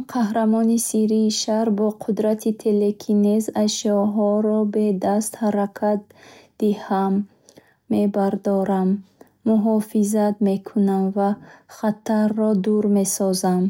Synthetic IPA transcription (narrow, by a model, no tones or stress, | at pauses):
qʰahɾamɔnisiɾiːʃahɾbɔqʰud̪ɾat̪ʰit̪ʰe̞lekʰinezaʃɔɦɔɾɔbe̞d̪ast̪haɾakʰat̪̚d̪ihamː | e̞baɾd̪ɔɾamː | uɦɔfizat̪me̞kʰunamvaχat̪ʰarːɔd̪uɾme̞sɔzam